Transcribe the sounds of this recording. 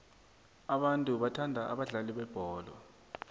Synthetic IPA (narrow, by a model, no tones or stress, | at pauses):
aɓantʼuɓatʰandʱaʔa̰ɓaɮaliɓɛb̥ʱɔːlɔ̰